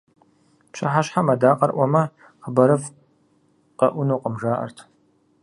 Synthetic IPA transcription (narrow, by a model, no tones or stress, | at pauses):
pɕɐ̰ħaɕħamɐdaːqɐrʔʷɔmɐ | χəbɐɾɨf | qɐʔʷʊnoːqəmʒaːʔɐ̰rtʰ